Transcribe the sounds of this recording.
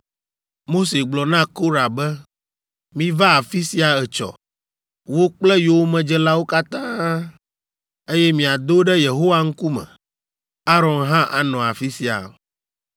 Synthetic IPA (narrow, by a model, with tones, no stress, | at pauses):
mo˦se˨ɡ͡blɔ˨nã˦ko˦ɾa˨bɛ˦ | mĩ˦va˦a˨fi˦si˦a˨ɛ˨t͡ʃɔ̰˨ | wo˦k͡plɛ˦jo˨˦wmɛ̃˨d͡ʒɛ˦la˦wo˦ka˦t̪ã˦ | e˦jɛ˦mĩ˨a˨d̪o˦ɖɛ˦je˨ɦo˦wa˨ŋ̩˦ku˦mɛ̰̃˨ | a˦ɾɔ̃˨nɦã˦ʔa˨nɔ̃˨a˨fi˦si˦a̰˨